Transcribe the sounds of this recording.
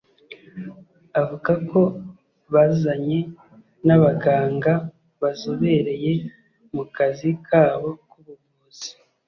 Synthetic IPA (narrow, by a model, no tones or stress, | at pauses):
avuɡako̞ | βazzaɲe̞ | naβaɡaːŋɡa | βazoβe̞ɾe̞je̞ | mukazikʰaːβo̞kuβuɾ | uz̥i̥